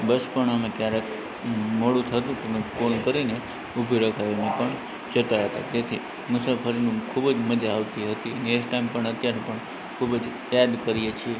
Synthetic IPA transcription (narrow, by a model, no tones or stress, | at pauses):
bəspəɳəmekjaɾek | moɽũt̪ʰət̪ũt̪omekonkəɾine | ubʱiɾəkʰaʋinẽpəɳ | d͡ʒət̪aɦət̪a̰d͡ʒet̪ʰi | musapʰəɾinũkʰubd͡ʒməd͡ʒaːʋt̪iɦət̪ineksʈaimpəɳət̪jaɾẽpəɳ | kʰubd͡ʒ | jad̪kəɾijet͡ʃʰie